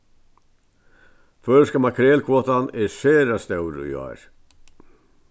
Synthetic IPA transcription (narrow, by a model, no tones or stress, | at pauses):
fœɾskamakʰɾɛːlkʰvɔːt̪anɛsɛːɾast̪ɛwɾʏ̰jɔ̰ɾ̥